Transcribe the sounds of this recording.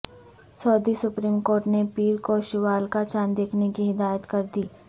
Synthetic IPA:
sɔːd̪isʊpɾiːmkoːɾʈnepiːɾkoʃɪʋaːlkat͡ʃaːnd̪eːkʰnekiɦɪd̪aːjət̪kɐɾd̪iː

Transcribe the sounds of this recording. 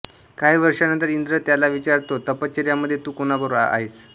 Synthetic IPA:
kaɦiːʋəɾʂanə̃nt̪əɾind̪ɾət̪jalaʋit͡ɕaɾt̪ot̪əpət͡ɕeɾjaməd̪ʱːjet̪uːkonabəɾoa̰a̰ɦis

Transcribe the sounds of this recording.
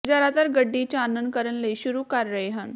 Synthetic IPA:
d͡ʑaɾat̪aɾɡəɖːit͡ɕaːnənd̪̚kəɾəɳleɕuɾuːkaɾːəjɦən

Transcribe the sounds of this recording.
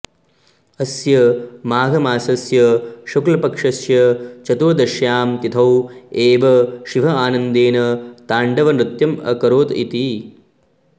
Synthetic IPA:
ɐsjɐmaːɡʱɐmaːsɐsjɐʃuklɐpɐkʂɐsjɐt͡ʃɐt̪uʋɐd̪ɐʃjaːmt̪it̪ʰɐweːʋɐʃiʋɐaːnɐnd̪eːnɐt̪aːɳɖɐʋɐnɾɪt̪jɐmɐ̰kɐɾoːt̪ḭt̪i

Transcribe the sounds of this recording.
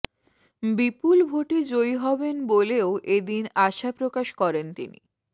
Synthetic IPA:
bipulbʱoʈid͡ʑojɦɔbenboleoʔed̪inaʃapɾokaʃkɔɾent̪ḭnḭ

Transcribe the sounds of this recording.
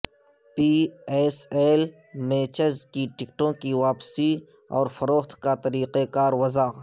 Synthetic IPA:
piːeːseːl | meːt͡ʃəzkiʈɪkʈõkiʋaːpsiɔ̰ːɾfɐɾoːxt̪ʰkat̪ɐɾiːqekaːɾwɐzaːɣ

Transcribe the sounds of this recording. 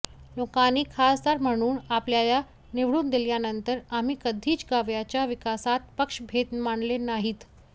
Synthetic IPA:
nokaniːkʰast̪aɾm̤əɽ̃uːnapljaja | neʋɽuːnd̪eljanənt̪əɾam̤iːkəd̪ʱiːt͡ɕɡaʋjat͡ɕjaʋikasat̪̚pəkʂbʱet̪maɳlenaɦiːt̪

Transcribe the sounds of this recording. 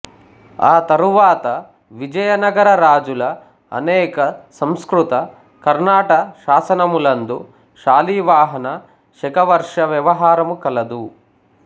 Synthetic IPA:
aːt̪ɐɾuʋaːt̪ɐ | ʋid͡ʒɐjɐnɐɡɐɾɐɾaːd͡ʒulɐ̰ː | nɛːkɐsɐmskɾut̪ɐ | kɐɾnaːʈɐʃaːsɐnɐmulɐnd̪u | ʃaːliːʋaːɦɐnɐ | ʃɛkɐʋɐɾʂɐʋjɐʋɐɦaːɾɐmukɐlɐd̪u

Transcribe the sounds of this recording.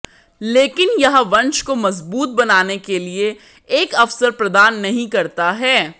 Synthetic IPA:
leːkɪnjɐɦʋɐ̃nt͡ʃkomɐzbuːt̪̚bɐnaːnekelie | eːkɐfsəɾpɾɐd̪aːnːɐɦĩkɐɾt̪aɦɛː

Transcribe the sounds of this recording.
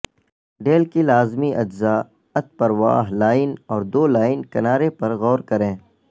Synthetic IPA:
ɖeːlkilaːzmiʔɐd͡ʒzaː | ɐt̪̚pɐɾʋa̰ːɦlaːɪnɔːɾd̪oːlaːɪnkɐnaːɾepɐɾɣɔːɾkɐɾẽː

